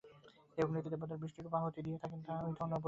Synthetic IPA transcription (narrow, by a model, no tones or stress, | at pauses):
ejoɡnit̪id̪eɾbod̪aɾbɾiʃʈikopaɦot̪id̪ijet̪ʰakent̪ʰaaojd̪ʱɔnopo